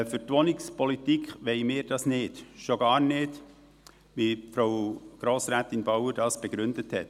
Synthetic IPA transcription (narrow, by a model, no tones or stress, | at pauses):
fʏɾtʋonɪkspɔlitikʰχʋɛɪmɪːɾd̥ɑsnɪːd̥ʃoɡ̥ɑːɾnɪːd | ʋifɾaʊɡ̥ɾoːsɾæːtɪnbɑwəɾd̥ɑːsb̥ɛɡ̥ɾʏndəthɛ̰t